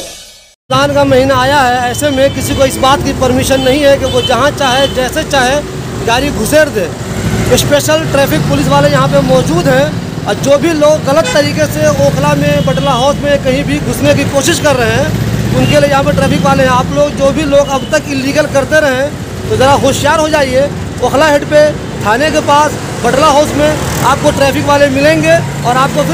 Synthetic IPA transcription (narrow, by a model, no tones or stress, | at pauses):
d̪aːnkamɐɦiːnaaːjaɦɛɛːsemẽkɪsikoɪsbaːt̪kipɐɾmɪʃənːɐɦĩɦɛkeʋod͡ʒɐɦãt͡ʃaːɦed͡ʒɛːset͡ʃaːɦe | ɡaːɾiɡʱʊseːɾd̪eː | jespeːʃəlʈɾɛːpʰɪk̚pʊlɪs̬ʋaːlejɐɦãpemɔːd͡ʒuːd̪ɦɛ̃ | ɔːɾd͡ʒoːbʱiloːɡːɐlət̪ːɐɾiːkeseɔːkʰlamẽbɐʈlaɦɔːsmẽkɐɦĩbʱiɡʱʊsnekikoːʃɪʃkɐɾːəɦɦɛ̃ːʊnkeliejɐɦãp̬eʈɾɛːpɪkʋaːleɦɛ̃aːploːɡd͡ʒoːbʱiloːɡɐbt̪əkɪlːiːɡəlkɐɾt̪eɾɐɦɛ̃ | t̪ozɐɾaxoːʃjaːɾɦod͡ʒaːie | oːkʰlaɦɪʈpe | t̪ʰaːnekepaːs | bɐʈlaɦɔːsmẽaːp̚koʈɾɛːpʰɪkʋaːlemɪlẽːŋɡe | ɔːɾaːp̚kop